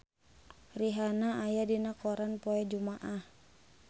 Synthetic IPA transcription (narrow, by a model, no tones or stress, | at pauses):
riɦanaːjadinakɔɾanpɔɛd͡ʒumaʔah